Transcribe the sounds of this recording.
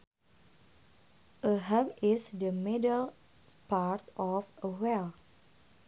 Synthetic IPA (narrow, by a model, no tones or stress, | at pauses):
ʔəɦavɪsdəmidəl | paɹt̪ɔfəwɛl